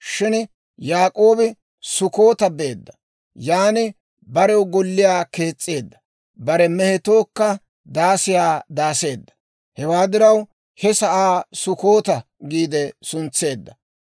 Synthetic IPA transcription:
ʃɪn | jaːkʼo̞ːbɪ | sʊko̞ːt̪ɐbe̞ːd̪ːɐ̥ | jaːnɪ | bɐɾɛwɡɔlːɪjaːke̞ːt͡sʼːe̞ːd̪ːɐ̥ | bɐɾɛmɛhɛt̪o̞ːkːɐ | d̪aːsɪjaːd̪aːse̞ːd̪ːɐ̥ | hɛwaːd̪ɪɾɐw | hɛsɐʔaːsʊko̞ːt̪ɐ | ɡiːd̪ɛsʊnt͡sːe̞ːd̪ːɐ

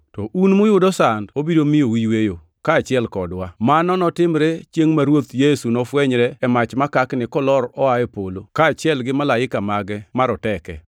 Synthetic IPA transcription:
tɔʔunmʊjʊdɔsandobidomijowiwejo | kaːt͡ʃɪɛlkɔdwamanɔnɔtɪmɾet͡ʃjeŋmaɾwot̪jesunɔfwɛɲɾɛɛmat͡ʃmakaknɪkɔlɔɾɔaepolokaːt͡ʃɪɛlɡɪmalaɪkamaɡɛmaɾɔtɛkɛ̰

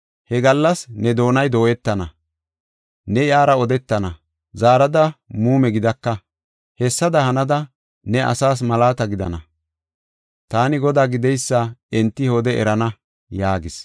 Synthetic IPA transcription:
hɛɡɐlːɐsnɛd̪o̞ːnɐjd̪o̞ːjɛt̪ːɐnɐ | nɛjaːɾɐɔd̪ɛt̪ːɐnɐ | zaːɾɐd̪ɐmuːmɛɡɪd̪ɐkːɐ | hɛsːɐd̪ɐhɐnɐd̪ɐ | nɛʔɐ̰saːs̬mɐlaːt̪ɐɡɪd̪ɐ̰nɐ̰ | t̪aːnɪɡɔd̪aːɡɪd̪ɛjsːɐɛnt̪ːɪjoːd̪ɛʔɛ̰ɾɐnɐ | jaːɡɪs

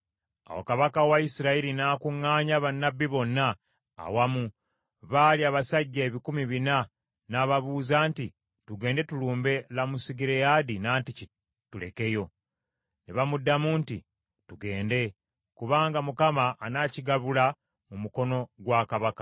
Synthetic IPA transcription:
a̰wo̰kaβakawaisiɾailinaːkuŋːaːɲaβanːabːiβo̞nːa̰ː | wamu | βaːliaːβasaɟːeβikumiβina | naːβaβuːzaːnti | tuɡe̞ːnde̞tuluːmbe̞lamusiɡiɾejadinaːntici | tule̞̰ke̞jo̞ | neβamudːamuːnti | tuɡe̞ːnde̞ | kuβaːŋɡamukamaʔːnaːciɡaβula | mumuko̞no̞ɡwaːkaβakḁ

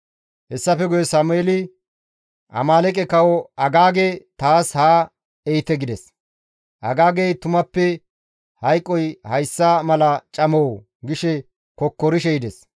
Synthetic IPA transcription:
hɛsːɐfɛɡʊjɛsaːmʊeːlɪ | ʔɐ̰maːlɛkʼɛkɐwɔɐɡaːɡet̪aːshaː | ɛjt̪ɛɡɪd̪ɛs | ʔɐɡaːɡejt̪ʊmɐpːɛ | hɐjkʼːɔjhɐjsːamɐlɐt͡ʃʼɐmow | ɡɪʃɛ | kɔkːɔɾɪʃɛjɪd̪ɛs

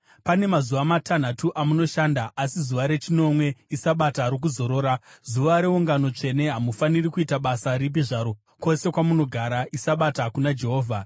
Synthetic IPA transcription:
pane̞mazuʋamatʰan̤atuʔamuno̞ʃaːndaʔasizuʋaɾe̞t͡ʃino̞mwe̞isaɓataɾok̬uzo̞ɾo̞ːɾazuʋaɾe̞uŋɡano̞t͡ʂe̞ne̞ɦamufanirikuitaɓasaɾip̬iʐaɾo̞ | ko̞se̞kwamuno̞ɡʱaɾaʔisaɓatakunad͡ʒe̞ɦo̞ːvʱa

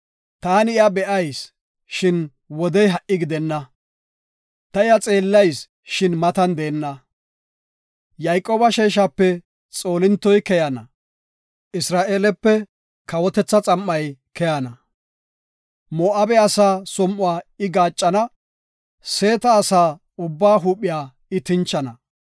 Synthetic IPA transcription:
t̪aːnɪjabɛʔɐjs | ʃɪn | wɔd̪ɛjɦɐʔːɪɡɪd̪ɛnːɐ | t̪ɐɪjɐt͡sʼe̞ːlːɐjs | ʃɪnmɐt̪ɐnd̪e̞ːnːɐ | jɐjkʼoːbɐʃeːʃ̬apːɛ | t͡sʼo̞ːlɪnt̪ːɔjkɛjɐnɐ | ʔɪsɾaːʔe̞ːlɛpːɛ | kɐwɔt̪ɛt͡sːɐt͡sʼɐmːɐjkɛjanɐ | moːʔaːbɛɐsaːsɔmʔʊwaːɪɡaːt͡ʃʼːɐnɐ | se̞ːt̪ɐːsaː | ʊbːaːɦuːpʼːɪjaː | ɪt̪ɪnt͡ʃːɐnɐ

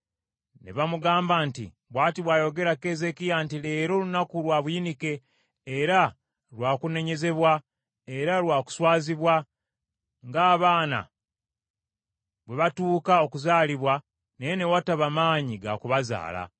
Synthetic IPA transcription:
nḛβamuɡaːmbantḭ | βwaːtiβwaːjo̞ɡe̞ɾake̞ze̞kijantile̞ːɾo̞lunakulwaːβujinike̞ː | ɾa | lwaːkune̞ɲe̞ze̞βwa | e̞ɾalwaːku̥swaːziβwa | ŋɡaːβaːna̰ | βwe̞βatuːkao̞kuzaːliβwa | nejene̞wataβamaːɲiɡa̰kuβaza̰ːla̰

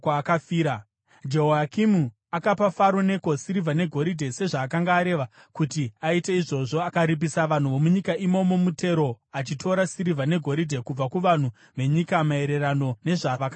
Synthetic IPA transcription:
kakafiːɾa | d͡ʒeɦoakimu | akapafaɾone̞ko̞siɾivʱane̞ɡʱo̞ɾidʱe̞se̞ʐaːkaŋɡaːɾe̞ʋa | kutiaite̞iʐo̞ʐo̞akaɾip̬isaʋan̤uʋo̞muɲikaʔimo̞mo̞mute̞ɾo̞ | at͡ʃitʰo̞ɾasiɾivʱane̞ɡʱo̞ɾidʱe̞kub͡vakuʋan̤u | ʋe̞ɲikamae̞ɾe̞ɾano̞ne̞ʐaʋaka

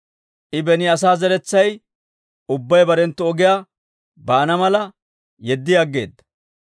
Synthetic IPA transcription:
ʔɪbɛnɪɐs̬aːzɛɾɛt͡sːɐj | ʊbːɐjbɐɾɛnt̪ːɔɔɡɪjaː | baːnɐmɐlɐ | jɛd̪ːɪjaːɡːe̞̰ːd̪ːɐ̥

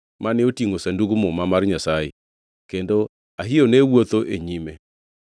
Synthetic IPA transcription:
maneotiŋosanduɡumomamarɲasajḛ | kendo | aɦionewot̪oʔeɲime

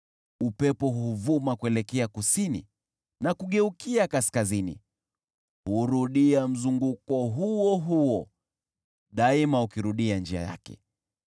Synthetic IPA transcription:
upɛpɔɦuuvumakuɛlɛkɛakusini | nakuɠɛukiakaskazinḭ | huɾuɗiam̩zuŋɡukɔɦuɔɦuɔ | ɗaimaukiɾuɗiand͡ʒia̰ja̰kɛ̰

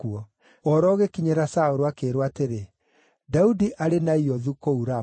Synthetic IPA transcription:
uɔ | ɔɾɔɣekiɲeɾasaoɾoakeːɾoateɾe | daudiʔaɾenaiɔðukouɾa

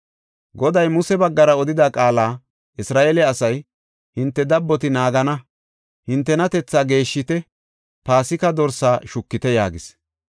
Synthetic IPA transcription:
ɡɔd̪ɐjmʊsɛbɐɡːɐɾɐɔd̪ɪd̪aːkʼaːlaː | ʔɪsɾaːʔelɛɐsɐj | hɪnt̪ːɛd̪ɐbːɔt̪ɪnaːɡɐnɐ | hɪnt̪ːɛnɐt̪ɛt͡sːaːɡe̞ːʃːɪt̪ɛ | paːsɪkɐd̪ɔɾsaːʃʊkːɪt̪ɛja̰ːɡɪs

